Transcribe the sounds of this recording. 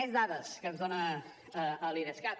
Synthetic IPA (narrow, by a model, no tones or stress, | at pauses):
ɛzðaðəskənzðonə | əːlineskat̚